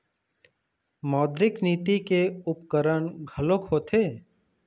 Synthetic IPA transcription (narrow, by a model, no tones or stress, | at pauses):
mɔːd̪ɾɪkniːt̪ikeʊpkəɾəɳɡʱəlokɦoːt̪ʰeː